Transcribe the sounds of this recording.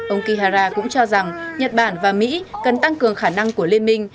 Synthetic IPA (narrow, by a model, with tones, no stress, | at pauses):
ʔə˧wŋ͡mki˧ɦaː˧zaː˧kʊ̰˧˥ŋ͡mt͡ɕɔ˧za˨˩ŋɲə˨˩t̚ɓaː˧˩nvaː˨˩mḭ˧˥kə˨˩nt̪a˧ŋkɨ˨˩əŋxaː˧˩na˧ŋku˧˩əle˧nmï˧ŋ̟